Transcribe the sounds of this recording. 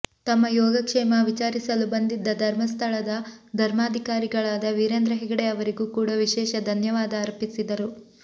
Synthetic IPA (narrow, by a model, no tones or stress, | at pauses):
t̪ɐmːɐjɔːɡɐkʂɛːmɐʋit͡ʃaːɾisɐlubɐnd̪id̪ːɐd̪ʱɐɾmɐst̪ʰɐɭɐd̪ɐd̪ʱɐɾmaːd̪ʱikaːɾiɡɐɭaːd̪ɐʋiːɾend̪ɾɐɦɛɡɐɽeɐʋɐɾiɡuːkuːɽɐʋiʃɛːʃɐd̪ʱɐnjɐʋaːd̪ɐːɾpisid̪ɐɾu